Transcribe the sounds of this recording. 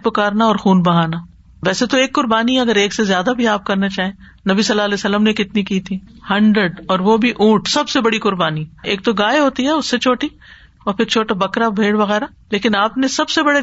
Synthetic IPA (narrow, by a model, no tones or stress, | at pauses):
pʊkaːɾnaɔːɾxuːnbɐɦaːna | ʋɛːset̪oeːkːʊɾbaːniɦɛɐɡəɾeːksezjaːd̪abʱiaːp̚kɐɾnat͡ʃaːɦẽ | nɐbisɐlːaːlɛːsəlːəmnekɪt̪nikiːt̪ʰiːhɐ̃ɳɖɾəɖɔːɾʋobʱiʔũːʈsɐbsebɐɽikʊɾbaːnieːk̚t̪oɡaːeɦoːt̪iɦɛʊsːet͡ʃʰoːʈi | ɔːɾpʰɪɾt͡ʃʰoːʈabɐkɾabʱeːɽʋɐɣɛːɾa | leːkɪnaːpnesɐbsebɐɽe